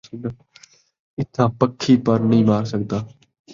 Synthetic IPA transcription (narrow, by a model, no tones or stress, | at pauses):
sn | ɪt̪ʰãːpəkʰːiːpəɾnəĩːmaːɾsəɡ̚d̪aː